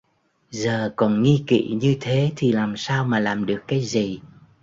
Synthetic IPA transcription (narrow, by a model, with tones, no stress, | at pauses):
zəː˨˩kɔ˨˩nŋi˧kḭ˧˨ɲɨ˧t̪ʰe˨˦t̪ʰi˨˩laː˨˩msaː˧wmaː˨˩laː˨˩mɗɨ˨˩əkːaː˨˦jzi˨˩